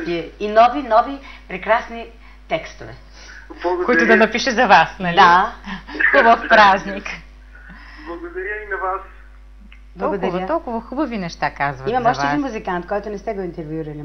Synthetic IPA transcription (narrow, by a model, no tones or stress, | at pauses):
iinɔvinɔvipɾɛkɾasni | t̪ɛkst̪ovɛ̰ | lˠɐɡkoit̪ʊd̪ɐnɐpiʃɛzɐvasnɐld̪ia | t̪obɐfpɾaznik | blˠɐɡod̪ɐɾʲəinɐvas | b̪lˠɔɡod̪ɐɾvɐət̪ɔlˠkʊvɐxubɐvinɛʃt̪akazvɐimɐmɔʃt̪ɛinmuzikant̪kɔjt̪ʊnɛst̪ɛɡoint̪ɛɾvjuɾɐli